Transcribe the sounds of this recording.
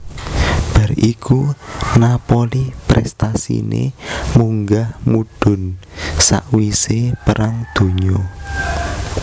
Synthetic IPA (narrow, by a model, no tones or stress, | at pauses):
b̥a̤rikʰunapolipɾɛ̰st̪asḭnḛmuŋɡahmuɖ̥ʊ̤n | sa̰ʔwisepəɾaŋd̪̥o̤ɲɔ